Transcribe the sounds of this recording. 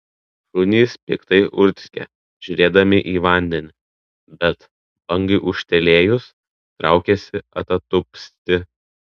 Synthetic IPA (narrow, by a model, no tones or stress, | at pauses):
ɾʊnʲiːspʲɪ̰kt̪ɐɪʔʊɾʲt̪ʲsʲkʲɛ̰ | ʒ̥ʲʊɾʲeːd̪ɐmʲɪʔiːʋɐˑnʲd̪ʲɛnʲɪ | bʲɛt̪ | bɐŋɡɐɪʔʊʃʲt̪ʲɛlʲeːjʊs | t̪ɾʔɑˑʊkʲɛsʲɪɐ̰t̪ɐt̪ʊpʲsʲt̪ʲɪ